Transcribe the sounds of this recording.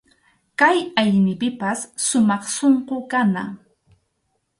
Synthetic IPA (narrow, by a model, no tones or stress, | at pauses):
kajajnɪpɪpasːʊmɑχsoɴqokana